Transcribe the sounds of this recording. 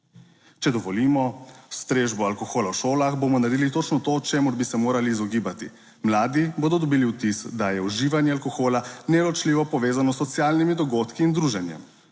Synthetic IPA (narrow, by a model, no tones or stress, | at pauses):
t͡ʃɛd̪ɔʋɔliːmɔst̪ɾeːʒbɔalkɔxoːlawʃoːlaxbomɔnaɾd̪ilit̪ot͡ʃnɔt̪ot͡ʃeːmuɾbisɛmoːɾaliːzɔɡiːbat̪ḭ | mlaːd̪iboːd̪ɔd̪ɔbiːliwt̪isd̪ajɛuʒiːʋanjɛalkɔxoːlanɛlɔt͡ʃliːʋɔpɔʋeːzanɔsːɔt̪sjaːlnimid̪ɔɡoːt̪kiːnd̪ɾuʒɛnjɛ̰m